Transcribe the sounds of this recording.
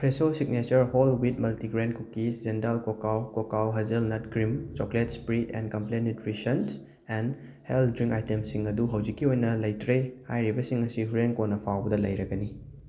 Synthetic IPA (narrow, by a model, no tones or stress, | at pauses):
pʰɾesosiɡ̚net͡ʃɐɾholwit̚mɐltiɡɾenkukːisd͡ʒentalkokawkokawɦɐzɐlnɐt̚kɾimt͡ʃoklet̚spɾitɛ̰nkɐmplenitɾisɐns | ɛn | heldɾiŋkajtemsiŋɐduɦɐwd͡ʒikːiojnɐlɐjtɾehajɾibɐsiŋɐsihuɾenkonːɐpʰawbɐdɐlɐjɾɐɡɐni